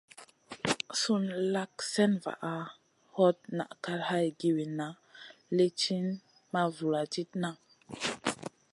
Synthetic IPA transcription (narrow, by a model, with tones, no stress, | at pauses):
su˦nla˦ksɛ˦nva̰˨ʔa˨ | hɔ˦t̚na̰˨ʔka˦ɾha˦jɡi˨wi˨na˨ | le˦t͡ʃi˦n | ma˦vu˨la˨d͡ʒi˦tna˦